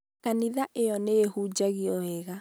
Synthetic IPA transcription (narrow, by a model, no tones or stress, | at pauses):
kaniðaʔejɔneehud͡ʒaɣiɔɛɣa